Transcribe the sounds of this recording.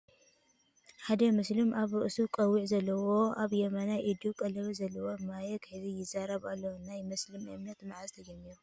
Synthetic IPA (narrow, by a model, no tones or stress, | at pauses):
ħad̪ɐmɨslɨmaβɾɨʔɨsukʼɐwːiʕzɐlːɐwoaβjɛmɐnaʔid̪ukʼɐlɐβizɐlːɐwomajɛkħɨβijɪzaɾɐβalːɐwnajmɐslɨmɨ̰mnɐt̪maʕazt̪ʰɐd͡ʒɐmːiɾu